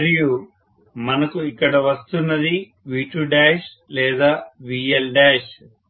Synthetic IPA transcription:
ɾijuː | mɐnɐkuikːɐɽɐʋɐst̪unːɐd̪i | ʋiːʈuːɖaːʃ | lɛːd̪aːʋiːelɖɛːʃ

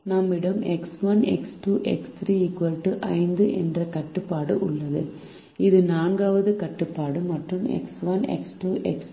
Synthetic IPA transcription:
nɐmːɪɽɐmɛksʋɐnɛ̰ksʈuːʔɛ̰kst̪ɾiːɪkʋɐlʈɯʔɐɪnd̪ɯʔɛndrɐkɐʈːɯpːaːɽɯʔʊɭːɐðɯ̰ | ɪðɯnaːɳɡaːʋɐðɯkɐʈːɯpːaːɽɯmɐʈrɯmɛ̰ksʋɐnɛ̰ksʈuːʔɛks

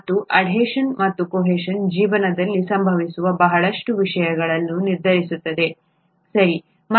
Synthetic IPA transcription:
t̪ːuʔɐɖʱɦeːʂɐnmɐt̪ːukoːɦeːʂɐnd͡ʒiːʋɐnɐd̪ɐlːisɐmbʱɐʋisuʋɐbɐɦɐɭɐʂʈuʋiʂɐjɐɡɐɭɐnːuniɾd̪ʱɐɾisut̪ːɐd̪e̞ | sɐɾi | m

